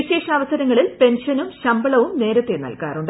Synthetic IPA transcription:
iɕe̞ːʂɐɐʋɐsɐɾɐŋːɐɭilpe̞nʂɐnumɕɐmbɐɭɐʋumne̞ːɾɐt̪ːenɐ̰lkaːruɳɖ

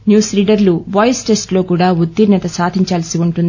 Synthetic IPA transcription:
njuːsliːɖɐɾluʋɐːjsʈesʈlo̞ːkuːɽaːud̪ːiɾnɐt̪ɐsaːd̪ʱiɲt͡ʃaːlsiuɳʈund̪i

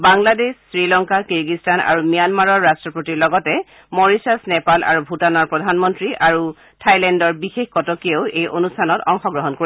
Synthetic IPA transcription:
baŋladessɹilɔŋkakiɹɡistana̰ɹumijanmaɹɔɹːastɹɔpotiɹlɔɡɔtɛ | mɔɹisasnɛpalʔa̰ɹubʱutanɔɹpɹɔdʱanmɔntɹiʔaɹu | tʰajlɛndɔɹbixexkɔtɔkioʊejʔonustʰanɔtɔŋxɔɡɹɔɦɔnkoɹi

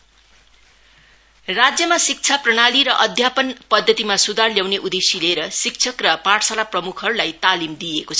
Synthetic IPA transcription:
rad͡zjʌmasik̚t͡sʰaprʌɽ̃aliɾʌʔʌd̪ʱjapʌnpʌd̪ʱːʌt̪imasud̪ʱarljawneʔud̪esileɾʌsik̚t͡sʰʌkrʌpaʈʰsalaprʌmukʰʌɾulajt̪alimd̪ijekot͡sʰʌ

